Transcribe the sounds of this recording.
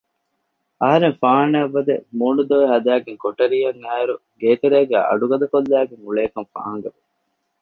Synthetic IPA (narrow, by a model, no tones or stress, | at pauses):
ɐɦɐɾeŋfaːnɐɐʋːɐd̪emuːɳud̪oʋeɦɐd̪æːɡeŋkoʈɐɾijɐŋæːɾuɡeːt̪eɾeːɡæːɐ̰ɖuɡɐd̪ɐkolːæːɡeŋuɭeːkɐmfa̰ːɐŋɡɐʋe